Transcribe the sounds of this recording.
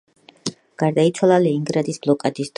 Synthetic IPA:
ɡ̥aɾd̪ait̪sʰwalˠaliːŋɡɾad̪isblˠɔkʼad̪isd̪̥

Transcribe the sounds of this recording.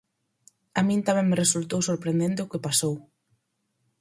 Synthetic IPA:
amĩnt̪amɛ̃ŋmeresult̪owsoɾpɾẽnd̪ent̪ɪʊkɪpasow

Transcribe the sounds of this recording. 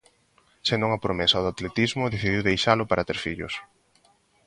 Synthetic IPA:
send̪ʊuŋɐpɾomesɐðat̪let̪izmʊðeθiðiwðejʃalʊpaɾat̪eɾfiʎʊ̰s

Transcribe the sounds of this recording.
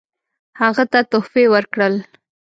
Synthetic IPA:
haɣat̪at̪ofewəɾkɽəl

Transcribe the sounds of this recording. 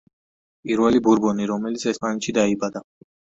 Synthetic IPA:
pʼiɾwɛlibuɾbɔniɾɔmɛlit̪sʰɛspʼanɛt̪ʃid̪aibad̪a

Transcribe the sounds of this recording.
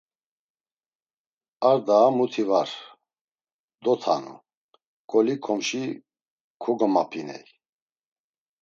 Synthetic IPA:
aɾd̪aːmut̪ʰivaɾ | d̪ɔt̪ʰa̰nṵ | kʰʼɔlikʰɔmʃi | kʰuɡɔmapʰinɛ̰j

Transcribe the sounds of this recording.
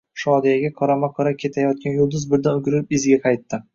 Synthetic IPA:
ʃɒd̪ijaɡʲakʰɒɾamaqʰɒɾap̚kʲʰe̞t̪ʰajɒt̪̚kʲanjʊlˠd̪ʊzbɪɾd̪anʊɡʲɪɾɪpɪzɡʲaqʰɑjt̪ːɪ

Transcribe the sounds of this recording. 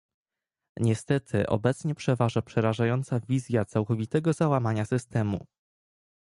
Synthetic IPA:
ɲɛst̪ɛt̪ʰɘʔɔ̰bɛt̪sɲɛpʂɛvaʐapʂɛɾaʐajɔnt̪savʲizʲjat̪sawkɔvʲit̪ɛɡɔzawamaɲasɘst̪ɛmṵ

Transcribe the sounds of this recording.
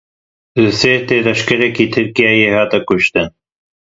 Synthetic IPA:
lɨseːt̪eːlɐʃkɐɾɛkiːt̪ʰɨɾkijaːjeːhaːt̪ɐkʊʃt̪ɨn

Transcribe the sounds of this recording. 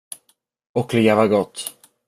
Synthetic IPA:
ɔkʰlɪjavaɡɔt̪ː

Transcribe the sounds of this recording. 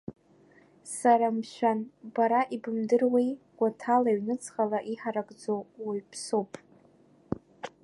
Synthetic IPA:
saɾamʃʷᶣanbaɾaʔibɨmdɨrwej | ɡ̥ʷatʰalaɥnɨt͡sʰʼχalaʔiħaɾaɡʼd͡zowiɥpʰsopʼ

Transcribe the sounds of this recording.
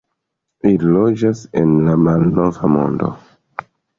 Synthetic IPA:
ililod͡ʒasenlamalno̞vamo̞̰ndo̞̰

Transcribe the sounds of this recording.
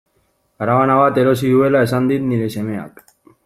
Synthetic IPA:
aɾaβanaβ̞at̪e̞ɾo̞siðue̞lae̞sand̪it̪niɾe̞se̞me̞a̰k

